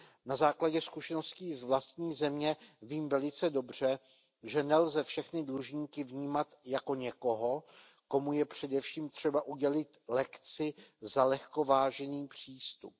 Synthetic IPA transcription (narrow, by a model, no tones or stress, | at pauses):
nazaːklaɟɛskuʃɛno̞sciːzvlast̪̚ɲiːzɛmɲɛviːmvɛlɪt͡sɛdo̞br̝ɛ | ʒɛnɛlzɛfʃɛxnɪdluʒɲiːkɪvɲiːmat̪jako̞ɲɛko̞ɦo̞ | ko̞mujɛpr̝̥ɛdɛfʃiːmt̪r̝̥ɛbaʔuɟɛlɪt̪lɛkt͡sɪzalɛxko̞vaːʒɛniːpr̝̥iːst̪up̚